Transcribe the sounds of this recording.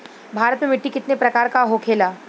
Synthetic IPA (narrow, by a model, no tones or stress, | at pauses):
bʱaːɾət̪memɪʈːikɪt̪nepɾɐkaːɾkaɦokʰeːlaː